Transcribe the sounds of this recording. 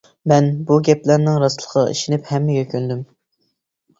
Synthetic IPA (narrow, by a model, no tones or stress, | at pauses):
mɛnbuɡʲɛplæɾnɪŋɾɑslˠə̥qʰɑ̰ʔḭʃinɪphɛmːɪɡʲɛkʲʰønd̪ym